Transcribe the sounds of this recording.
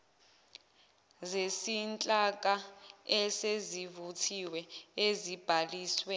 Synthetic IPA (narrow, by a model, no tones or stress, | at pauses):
zesint͡ɬʼak̬ʼaɛsezivutʰiwɛezib̥ʱaliːswɛ